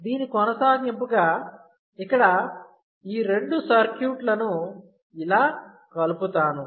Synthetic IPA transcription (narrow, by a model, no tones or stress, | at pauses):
d̪iːnikɔnɐsaːɡimpuɡaː | ikːɐɽɐ | iːɾe̞ɳɖusɐɾkjuːʈlɐnu | ilaː | kɐluput̪aːnu